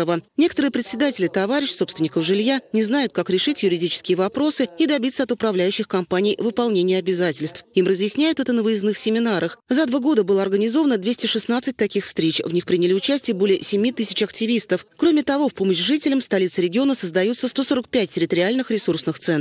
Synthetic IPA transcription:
əvənʲe̞kət̪əɾɨjəpɾʲɪt̪sʲɪd̪atʲɪlʲɪt̪ɐvaɾʲɪɕso̞pst̪vʲɪnʲɪkəfʐɨlʲjanʲɪznajʊt̪̚kakɾʲɪʂɨtʲjʊɾʲɪdʲit͡ɕɪ̥skʲɪjəvɐpɾo̞sɨid̪ɐbʲit̪səɐt̪ʊpɾɐvlʲæjʉɕːɪxkɐmpanʲɪijvɨpɐlˠnʲenʲɪjəɐbʲɪzatʲɪlʲst̪fimrəzjɪsʲnʲæjʊt̪ɛt̪ənəvəjɪznɨxsʲɪmʲɪnaɾəxzɐd̪vaɡo̞d̪əbɨlˠəɐrɡənʲɪzo̞vənəd̪vʲesʲtʲɪʂɨsnat̪sɨt̚ʲt̪ɐkʲixfst̪ɾʲet͡ɕvnʲixpɾʲinʲɪlʲɪʊt͡ɕæsʲtʲɪjəbo̞lʲɪjəsʲɪmʲit̪ɨsʲɪt͡ɕɐktʲɪvʲist̪əfkɾo̞mʲɪt̪ɐvofpo̞məɕʐɨtʲɪlʲɪmst̪ɐlʲit̪sɨɾʲɪɡʲɪo̞nəsəzd̪ɐjut̪səst̪o̞so̞ɾək̚pʲæt̚ʲtʲːɪɾʲɪt̪əɾʲɪalʲnɨxɾʲɪsursnɨxt̪sɛn

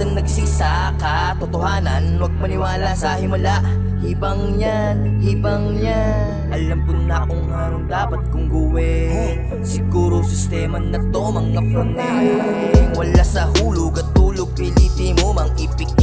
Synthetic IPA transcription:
ɐŋnɐɡsisa | kɐ | t̪ot̪oɦaːnɐnwɐɡ̚mɐnɪwaːlasɐhɪmɐlaʔ | hibɐŋja | n | hibɐŋɲa | ʔɐlamt̪ʊŋnaʔoŋːaɾond̪aːpɐt̪̚kʊŋɡʊwɛ | sɪɡuːɾosɪst̪ɛmɐnːɐt̪oʔomɐŋːɐpona | wɐlasɐhuːloɡɐt̪ːuːloɡ̚pɪlɪpimomɐŋʔɪpɪɡ

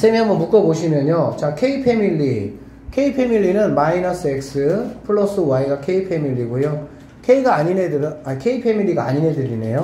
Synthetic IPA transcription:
sʰemiɦambʌnmuk͈ʌboɕʰimjʌɲot͡ɕakʰe̞ipʰe̞milːi | kʰe̞ipʰe̞miʎːinɯnmainʌs͈ɯek̚s͈ɯpʰɯɭːʌs͈ɯwaiɡakʰe̞ipʰe̞miʎːiɡojo | kʰe̞iɡaːɲinedakʰe̞ipʰe̞miɭlːiɡaa̰ɲine̞dɯɾine̞̰jo

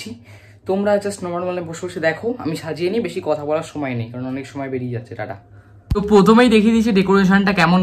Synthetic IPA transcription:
i | t̪omɾad͡ʑasnɔmanmaleboʃoboʃed̪ɛkʰoa̰miʃad͡ʑieniebeʃikɔt̪ʰabɔlaɾʃɔmɔenejkaɾonɔnekʃɔmɔebeɽied͡ʑatːɕʰeʈa̰ʈa̰ | t̪opɾot̪ʰomejd̪ekʰed̪it͡ɕʰiɖekoɾeʃ̬onʈakɛmon

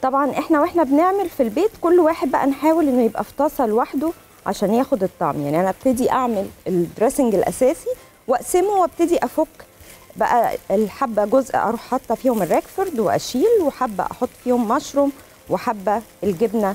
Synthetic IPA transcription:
t̪ˤɑbʕɑnʔeħnæwʔeħnæbneʕmelfilbeːt̪kolːwaːħed̪̚bæʔæ̰nħaːwelʔenːojebʔæft̪ˤɑːsˤɑlwaħd̪o | ʕa̰ʃæːnjæːxod̪et̪ˤːɑ̰ʕmja̰ʕniʔænæʔæb̚t̪ed̪iʔaʕmeleld̪ɾesɪŋɡelʔæ̰sæːsi | wæʔsemowæb̚t̪ed̪iʔæfokːbæʔæ̰elħabːæɡozʔʔɑ̰ɾˤuːħːɑt̪ˤːhɑfiːhomerːækfeɾd̪weʔæ̰ʃiːlweħab̰ːʔɑ̰ħot̪ˤːfiːhomːɑʃɾˤom | wħabːæelɡebnæ

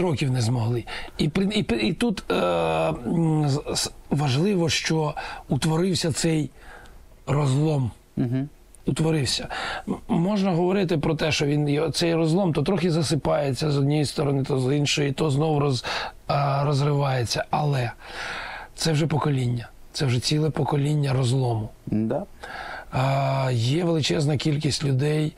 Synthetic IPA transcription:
ɾɔkʲiwnɛzmɔɦlˠɪipɪipit̪ut̪ | ʋɐʒlˠɪʋɔʃt͡ʃɔut̪ʋɔɾɪwsʲɐt̪sɛj | rɔzlˠɔm | ut̪ʋɔɾɪwsʲɐ | mɔʒnɐɦɔʋɔɾɪt̪ɪpɾɔt̪ɛʃt͡ʃɔʋʲinjɛt̪sɛjrɔzlˠɔmt̪ɔt̪ɾɔxʲizɐsɪpɑjet͡sʲːɐzɔd̪̚nʲijist̪ɔɾɔnɪt̪azinʃɔjit̪ɔznɔwɾɔz | ɾɔzrɪʋɑjet͡sʲːɐɐlˠɛ | t̪sɛwʒɛpɔkɔlʲinʲːɐ | t̪sɛwʐɛt͡sʲilˠɛpɔkɔlʲinʲːɐɾɔzlˠɔmʊ | jɛʋelˠɪt͡ʃɛznɐkʲilʲkʲisʲtʲlʲʊd̪ɛj

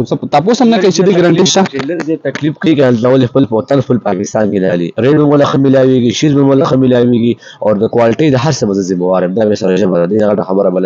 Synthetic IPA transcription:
t̪ɐposamnakɐit͡ʃed̪iɡɾaɳʈiʃt̪aləɡzet̪aklifkaikənalzɾawəlixpəlpot̪anfulpɑkɪst̪ɑnkena̰lḭɾeɖbəmolaxəmɪlaweɡiʃizbəmolaxəmɪlaweɡi | awɾd̪əkwalɪʈəjd̪əɦaɾsəbazəzɪmawɑɾəmd̪amesaɾaʒəbad̪ad̪enaɣaʈaxabəɾabala

